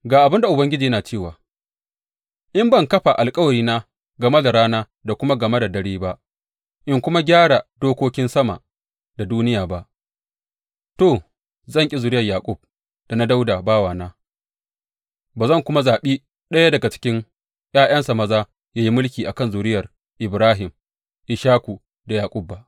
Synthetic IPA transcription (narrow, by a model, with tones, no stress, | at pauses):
ɡaː˨ʔa˨bɪ˦nda˨ʔʊ˨bɐ˦ŋɡʲɪ˦d͡ʒiː˨jɐ˦naː˨t͡ʃeː˦˨waː˨ | ʔɪ˦mbɐ˦˨ŋkɐ˦ɸa˨ʔa˨lkʼɐ˦wɐ˨ɽiː˦na˦ | ɡɐ˨mɐ˦da˨ɽaː˦naː˦ | da˨kʷʊ˦ma˦ɡɐ˨mɐ˦da˨dɐ˦ɽeː˦ba˦ʔ | ʔɪ˦ŋkʷʊ˦ma˦ɡʲaː˦ɽa˨d̥oː˦kʷoː˦kʲɪ˦nsɐ˦ma̰˨ | da˨duː˦nɪ˦jaː˨ba˦ʔ | to˨ | zɐ˦˨ŋkʲʼi˦zʊ˨ɾɪ˦jɐ˨rjaː˨kʷʼʊ˦˨b̚ | d̥a˨na˦da˦wdaː˨baː˦waː˨naː˦ | baː˨zɐ˦˨ŋkʷʊ˦ma˦zaː˨ɓiː˦ | ɗɐ˦ja˦dɐ˨ɡa˨t͡ʃɪ̥˦kʲɪ˦ŋ | jaː˦j̰ɐ˦nsa˨mɐ˦zaː˦ | jaː˦ji˦mʊ˦lkʲiː˨ʔa˨kɐ˦˨nzʊ˨ɾɪ˦jɐ˨r | ʔɪ˨bɾaː˦ɦɪ˨m | ʔɪ˨ʃaː˦kʷu˨ | da˨jaː˨kʷʼʊ˦b̚ːa˦ʔ